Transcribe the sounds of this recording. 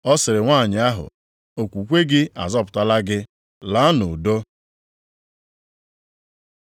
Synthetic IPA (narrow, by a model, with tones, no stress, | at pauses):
ɔ˦sɪ˨ɾɪ˨ŋʷaː˦˨ɲɪ˨a˦ɦʊ̰˨ | o˨kʷu˨kʷe˦ɡɪ˦a̰˨zɔ˦pʊ˨ta˦la˦ɡɪ˦ | la˨˦a˦nʊ˨do˦